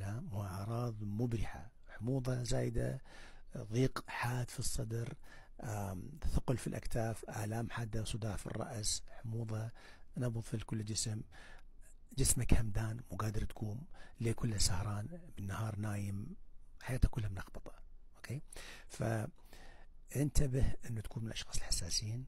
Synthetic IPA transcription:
amwhʊʕɑɾˤɑːðˤmʊbɾɪħa̰ | ħʊmuːðˤɑzaːjɪd̪a̰ | ðˤiːqħaːd̪fisˤːɑd̪ɾ | ʔaθʊqlfilʔa̰kt̪aːfʔa̰ʕlaːmħad̪ːawsˤɨd̪aːʕfḭrˤːɑ̰ʔsħmuːðˤɑnɑbɣʊðˤfilkʊlːd͡ʒɪsm | d͡ʒɪsmakhamd̪aːnmʊɡaːd̪ɪɾˤt̪ḁkʰuːnlekʊlːsahɾˤɑːnmɪnːahɑːɾˤnaːjɪmħajaːt̪hakʊlːhamnɑxbɑt̪ˤɑ̥ʔokʰeːfa̰ | ʔɪnt̪abɪhʔɪnːut̪ḁkuːnmɪnlʔɑʃxɑːsˤɨlħḁsːaːsjiːn

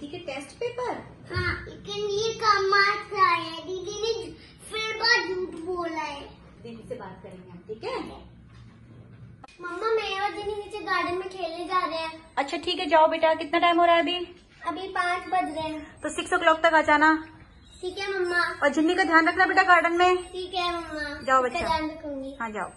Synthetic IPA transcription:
ikeʈeːsʈpeːpəɾ | hãːlekɪnjekaːmaːsaːɦɛɖiːɖine | fʰɪɾbaːd͡ʒuːʈboːlaɦɛː | bibisebaːt̪̚kɐɾẽːŋɡeaʈʰiːkɛ̃ | mɐmːamẽɔːɾd͡ʒɪnːiniːt͡ʃeɡaːɾɖənmẽʈʰeːlːed͡ʒaːɾɐaɐtːʃʰaʈʰiːkɦɛd͡ʒaːobeːʈakɪt̪naʈaːjmɦoːɾaɦɛɐbʱi | ɐbʱipaːsbɐd̪ɾẽt̪osɪksɔkɪlɔːk̚t̪ɐkaːd͡ʒaːna | ʈʰiːkɦɛmɐmːaɔːɾd͡ʒɪnːikad̪ʱjaːnɾɐkʰnabeːʈaɡaːɾɖənmẽʈʰiːkɦɛmɐmːad͡ʒaːoɐtːsaadjaːnɾɐkʰũːɡiːɦãːd͡ʒa̰ːo

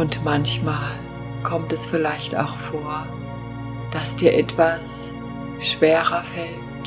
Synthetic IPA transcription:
ʔʊntmançmaːl | kʰɔmtɛsfɪlaɪçta̰ʊxfoːɐ | d̥asd̥iːɐʔɛtv̥as | ʃv̥eːʁɐfɛltt

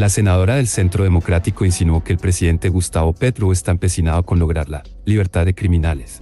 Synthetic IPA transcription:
lase̞nað̞o̞ɾaðe̞lse̞nt̪ɾoð̞e̞mo̞kɾat̪iko̞insinwo̞ke̞ːlpɾesiðe̞nt̪e̞ɣust̪aβo̞pe̞t̪ɾuest̪aempe̞sinaðoko̞nlo̞ɣ̞ɾaɾla | liβ̞e̞ɾt̪aðːekɾimĩnale̞s

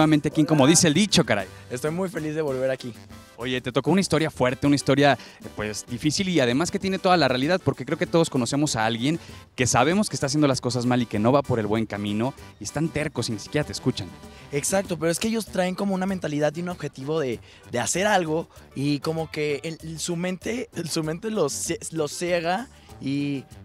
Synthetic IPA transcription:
eβamẽnt̪eakeŋko̞mo̞ðise̞eld̪it͡ʃo̞kaɾa̰jest̪o̞jmujfe̞lizðe̞βo̞lβe̞ɾaki | o̞ʝe̞t̪e̞t̪o̞ko̞unaist̪o̞ɾjafwe̞ɾt̪e̞unaist̪o̞ɾjapwe̞sd̪ifisiliaðe̞maske̞t̪je̞net̪o̞ð̞alarealiðaðpoɾkekɾeo̞ket̪o̞ð̞o̞sko̞no̞se̞mo̞saalɣje̞ŋke̞saβ̞e̞mo̞skest̪aːs̬jend̪olasko̞s̬azmalike̞no̞βapo̞ɾe̞lβwe̞ŋkamĩno̞iest̪ant̪e̞ɾko̞sinisi̥kʲjeɾat̪eːskut͡ʃaneksak̚t̪o̞p̬eɾoe̞s̬keeʝo̞st̪ɾae̞ŋko̞mounament̪aliðaðjuno̞βxe̞t̪iβo̞ðe̞ | ðe̞ase̞ɾalɣo̞ | iko̞mo̞kesumẽ̞nt̪e̞sumẽ̞nt̪e̞loselo̞se̞ɣa | i

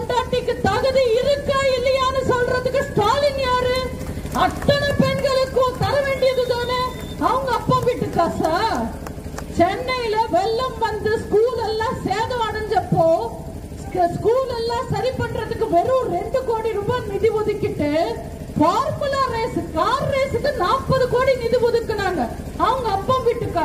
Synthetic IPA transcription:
ɐɳɖaːʈːɪkːɯt̪ɐɣɯðiɪɾɯkːɐɪlːɐjaːnɐsɔlɾɐðɯkːɯsʈaːlɪŋjaːɾɯ | ɐt̪ːɐnɐpɛɳɡɐɭɯkːõːt̪ɐɾɐʋeːɳɖɪjɐðɯðoːnɯ | ɐʋɐŋɡɐːpːoːʋɪʈːɯkːaːsaː | t͡ʃɛnːɐjɪlɐʋɛɭːɐmʋɐnd̪ɯskuːlɛlːãːseːðɐ̃ɐɳɐɲd͡ʒɐpːoː | sskuːlɛlːãːsɐɾipɐʈːɾɐðɯkːɯʋɛɾɯ̃ɾɛɳɖɯkoːɽiɾʊmbɐnɪðɪʋɔðɪkːɪʈːɯ | faːɾmɯlaːɾeːsɯkaːɾɾeːsɯkːɯnaːpːɐðɯkoːɽinɪðiʋɔðɯkːɐnaːŋɡɐ | ɐʋɐŋɡɐːpːõːʋiːʈːɯkːaː

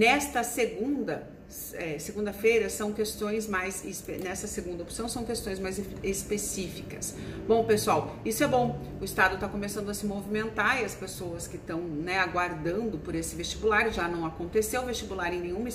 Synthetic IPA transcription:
nɛst̪ɐseɡũd̪ɐ | ɛseɡũnd̪ɐfejɾɐsɐ̃w̃kest̪õj̃zmajzespenɛsɐseɡũnd̪ɐopsɐ̃w̃sɐ̃w̃kest̪õj̃zmajzespesifikɐs | bõw̃pesuawisʊɛbõw̃ | ʊɪst̪ad̪ʊt̪akomesɐ̃nd̪ʊɐsɪmovimẽnt̪aiɐspesowɐskɪt̪ɐ̃w̃nɛaɡwaɾd̪ɐ̃nd̪ʊpoɾesɪvest͡ʃibulaɾʒanɐ̃w̃akõnt̪esewvest͡ʃibulaɾẽj̃nẽj̃ũmɐ

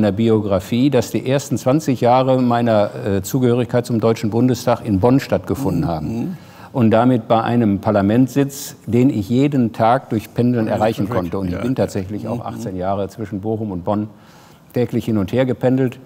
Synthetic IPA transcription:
nɐbioɡʁafiːdasd̥ḭːʔeːɐstn̩t͡sv̥ant͡sɪçjaːʁ̞əmaɪnɐt͡suːɡəhøːʁ̞ɪçkaɪt̚t͡sʊmdɔʏt͡ʃn̩bʊndəstʰaːχɪnbɔnʃtat̚ɡ̥əfʊndn̩haːbm̩ | ʔʊntd̥amɪt̚b̥aɪʔa̰ɪnəmpʰaɐlamɛntz̥ɪt͡sd̥eːnɪçjeːdəntʰaːk̚d̥ʊɐçpʰɛndl̩nɛ̰ɐʁaɪçn̩kʰɔntəʊntɪçb̥ɪntʰaːtz̥ɛçlɪça̰ʊxʔa̰χt͡senjaːʁ̞ət͡sv̥ɪʃn̩boːχʊmʊnt̚b̥ɔn | tʰɛːklɪçhɪnʊntheːɐɡəpʰɛndl̩t

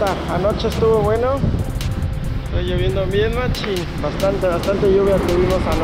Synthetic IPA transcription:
aanot͡ʃeːst̪uβoβweno | tejoβjend̪ombjenmat͡ʃin | bast̪ant̪eβast̪ant̪eʝuβjat̪eβimosano

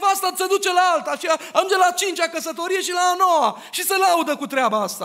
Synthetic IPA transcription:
vast̪ased̪ut͡ʃe̞laalt̪aʃiaad͡ʒelat͡ʃint͡ʃakəsət̪o̞ɾije̞ʃilaːnowa | ʃiselaud̪əkut̪ɾeabaast̪a

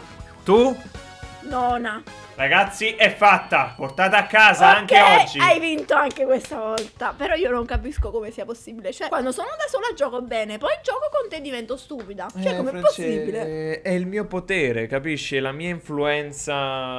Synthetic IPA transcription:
t̪u | nɔːna | raɡat̪sːiʔɛfːat̪ːaport̪aːt̪aakːaːzaaŋkeɔd͡ʒːiajvint̪oaŋk̟ekwest̪avɔlt̪apeɾɔiːonoŋkapiskokomesiːaposːiːbilet͡ʃoɛkwand̪osoːnod̪asoːlad͡ʒɔːkobɛːnepɔjd͡ʒɔːkokont̪ed̪ːivɛnt̪ost̪uːpid̪at͡ʃɛkːomɛpːosːiːbileɛilmiːopot̪ɛːɾekapiʃːilamiːaiɱfluɛnt̪sa

